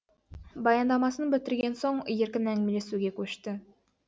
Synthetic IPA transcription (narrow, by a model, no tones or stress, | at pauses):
bɑjɑnd̪ɑmɑsɤnbɘ̆t̪ɘ̆ɾɡʲensoɴjɘ̆ɾkɘnæŋmilesuɡʲekʉɕt̪ɘ